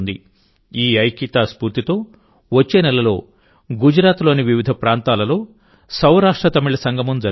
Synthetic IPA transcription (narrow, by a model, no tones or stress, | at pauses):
nd̪ḭ | iːɐjkit̪aːspuːɾt̪it̪o̞ː | ʋɐt͡ʃːe̞ːnɛlɐlo̞ː | ɡud͡ʒɾaːt̪lo̞ːniʋiʋid̪ʱɐpɾaːnt̪aːlɐlo̞ː | sɐwɾaːʂʈɾɐt̪ɐmiɭɐsɐŋɡʱɐmɐmd͡ʒɐɾ